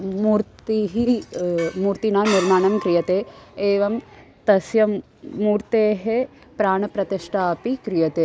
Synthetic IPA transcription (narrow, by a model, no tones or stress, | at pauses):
muːɾt̪iɦi | muːɾt̪inaːniɾmaːɳɐmkɾijɐt̪eːeːʋɐm | t̪ɐsjɐ | muːɾt̪eːɦe | pɾaːɳɐpɾɐt̪iʂʈʰaːpikɾijɐt̪eː